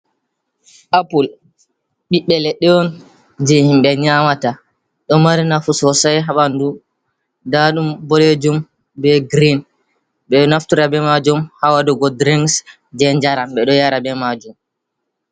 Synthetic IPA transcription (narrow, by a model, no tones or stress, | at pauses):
ʔapul | ɓiɓɛlɛɗɛɔn | d͡ʒehimɓɛɲamata | ɗɔmaɾinafusɔsajɦaɓandu | daɗumbɔled͡ʒum | bɛɡɾin | ɓɛɗɔnaftuɾabɛmad͡ʒumhawadɔɡɔdɾiŋs | d͡ʒɛɲd͡ʒaɾamɓɛɗɔjaɾabɛmad͡ʒum